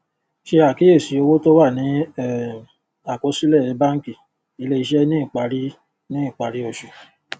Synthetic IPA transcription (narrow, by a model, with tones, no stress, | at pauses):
ʃe˧a˨ki˨˦e˦˨si˨˦o˧wo˦to˦wa˦˨nĩ˨˦˨ | a˨kɔ˨˦si˦lɛ˦˨ɛ˨˧˦ba˦ŋ̩˦ki˦˨ | i˧le˧i˧ʃɛ˦nĩ˦i˦˨k͡pa˨˧ɾi˦ | nĩ˦i˦˨k͡pa˨˧ɾi˦ɔ˧˨ʃu˨